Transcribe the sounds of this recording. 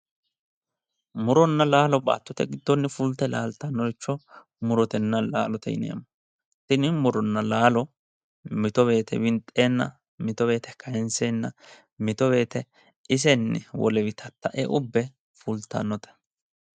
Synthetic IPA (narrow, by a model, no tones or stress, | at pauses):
mʊɾɔnːɐlaːlɔba̰ːt̪ːɔt̪ɛɡɪd̪ːɔnːɪfʊlt̪ːɛlaːlt̪ɐnːɔt͡ʃːɔ | mʊɾɔt̪ɛnːɐla̰ːlɔt̪ʰɛ̰jɪ̰nḛːmːɐ | sɪnɪmʊɾɔnːɐlaːlɔ | mɪt̪ɔβe̞ːt̪ʰɛ̰bɪnt̪ʼːeːnːɐ̰ | mɪt̪ɔbe̞ːt̪ɛkʰɐjɛnseːnːɐ | mɪt̪ɔbe̞ːt̪ɛ | ɪs̬ɛnːɪwɔ̰lɛwɪt̪ʰɐt̪ːɐʔɛʔʊbːɛ | fʊlt̪ːɐ̰nːɔt̪ɛ̥